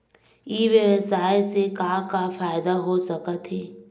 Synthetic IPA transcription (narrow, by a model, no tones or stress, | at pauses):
iːʋeɾəsaːesekaːkafaːɪd̪aɦosɐkət̪ɦɛː